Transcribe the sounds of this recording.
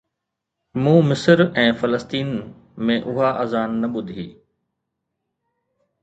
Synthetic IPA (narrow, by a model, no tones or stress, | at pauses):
mũːmɪsəɾɛ̃ːfɐləst̪iːn | mẽʔʊɦaʔəzaːnːɐɓʊd̪ʱiː